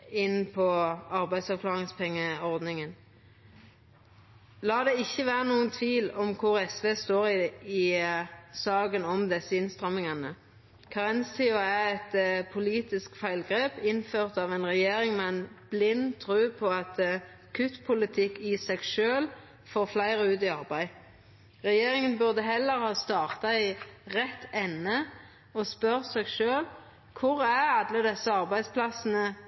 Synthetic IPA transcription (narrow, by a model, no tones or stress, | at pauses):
ɪnpʰɔɑʁbæɪd̪sɑkʰlɑːʁɪŋspʰɛŋːəɔʁd̪nɪŋən | lɑːd̪ɛɪçːəʋæːʁənuːənt̪ʰʋiːlɔmkʰʊʁɛsʋeːst̪oːʁɪɪ | sɑːɡənɔmd̪ɛsəɪnst̪ʁɑmːɪŋɑnə | kʰɑʁɛnst̪ʰɪʊæɛt̪pʰʊliːt̪ɪskfæɪlɡʁeːpɪnføːʁt̪ɑːʋɛnʁɛjeːʁɪŋmɛɛnb̥lɪnːt̪ʰʁʉːpʰɔɑt̪ | kʰʉt̪ːpʰʊlɪt̪ʰɪkːɪsɛɡʃøːl | foːʁflæɪʁəʉːt̪iɑʁbæɪ | ʁɛjeːɾɪŋənbʉʁd̪əɦɛlːəɾhɑːst̪ɑːʁt̪ɑɪʁɛt̪ʰːɛnːə | ɔspœʁsɛːɡʃøːl | kʰʊʁæʁɑd̪ləd̪ɛsːəɑʁbæɪspʰlɑsənə